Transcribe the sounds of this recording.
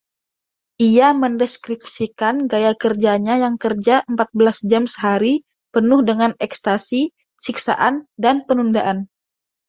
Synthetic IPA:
ʔiaməndɛskɾip̚sikanɡajakərd͡ʒaɲajaŋkərd͡ʒaʔəmpat̪̚bəlasd͡ʒamsəɦaɾi | pənʊhdəŋanɛkst̪asi | siksa̰ʔandanpənundaʔan

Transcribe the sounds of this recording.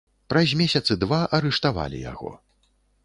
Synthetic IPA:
pɾɐzʲmʲɛsʲɐt̪sɨd̪vaʔɐɾɛʂt̪ava̰lʲḭja̰ɣɔ̰

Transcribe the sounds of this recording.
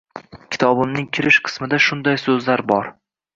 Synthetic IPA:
kʲʰɪ̥t̪ʰɒbɪmnɪŋkʲʰɪɾɪʃqʰɨ̥smɪd̪aʃʊnd̪ajsɵzlaɾbɒɾ

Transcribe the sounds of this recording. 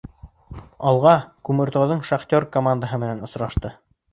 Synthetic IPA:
ɑlˠʁɑkʉmɘ̆ɾt̪owðɤɴʃaχt̪ʲoɾkomand̪əɦɤmɘ̆nænŏsɾɑʃt̪ɤ

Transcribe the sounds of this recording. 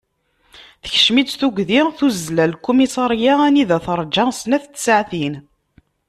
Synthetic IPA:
θə̥ç̥ʃmid̪θuɡʷðiθuzlælkːumisˤɑɾjaæniðæθɾˤd͡ʒɑsnæθt͡s̪ːsəʕθin

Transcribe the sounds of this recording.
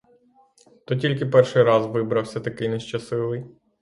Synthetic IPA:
t̪ɔtʲilʲkɪpɛrʃɪjɾɑzʋɪbɾɐwsʲɐt̪ɐkɪjneʃt͡ʃɐsɪʋɪj

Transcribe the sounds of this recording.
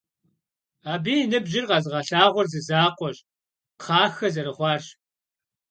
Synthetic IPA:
aːbiːnɨbʑɪrqɐzʁɐɬaːʁʷɔrzɨzaːqʷɔɕ | qʰɑːxɐzɐɾɨχʷɑːrɕ

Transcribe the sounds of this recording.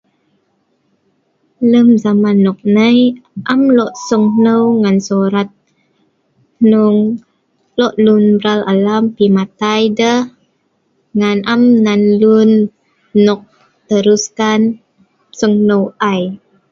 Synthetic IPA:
ləmzamanːɔk̚nəjʔamlɔʔsəŋnəwŋansoɾat̪̚ | nuŋ | lɔʔlunbɾalalampimat̪ajdəh | ŋanʔamnːanlunː | ɔk̚ | t̪əɾuskan | səŋnəwʔaj

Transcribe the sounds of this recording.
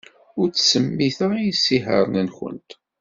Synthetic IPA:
ʊɾt͡sːsəmːiθəijisːiɦə̰ɾˤnænçə̰nt̪

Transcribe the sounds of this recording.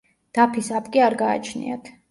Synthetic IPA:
d̪̥apʰisapʼkʼiaɾɡa̰ːt͡ʃʰnḭa̰t̪ʰ

